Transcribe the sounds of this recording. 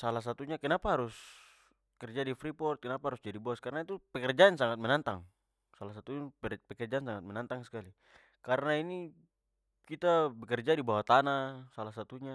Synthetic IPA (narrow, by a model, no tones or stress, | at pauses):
salas̬at̪uɲakɛnapaɦaɾus | kɛrd͡ʒadifɾipɔrt̪̚kɛnapaɦaɾusd͡ʒadibɔskarnait̪upɛkɛrd͡ʒansaŋat̪̚mɛnant̪aŋ | salas̬at̪uɛpɛkɛrd͡ʒansaŋat̪̚mɛnant̪aŋskali | kaɾnaini | kit̪abɛkɛrd͡ʒadibawat̪anasalasat̪uɲa